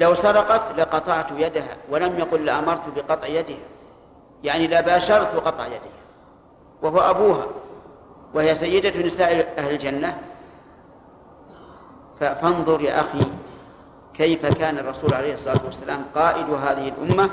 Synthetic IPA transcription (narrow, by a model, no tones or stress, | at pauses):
lawsɑɾˤɑqɑt̪laqɑt̪ˤɑʕt̪jad̪aɦa̰ːwalamjɑqʊlːɪʔamɑɾˤt̪bɪqɑt̪ˤʕjad̪ɪha | jaʕnilabaːʃɑɾˤt̪qɑt̪ˤʕjad̪ɪha | wahʊwaʔabuːɦa̰ | wahɪjasajːɪd̪anɪsaːʔɪʔahlɪld͡ʒanːa | fafɑnðˤʊɾja̰ːʔaxi | kajfakaːnɑrˤːɑsuːlʕalejhɨsˤːɑlɑːt̪wasːalaːmqɑːʔɪd̪ʊɦaːðɪhɪlʔʊ̰mːa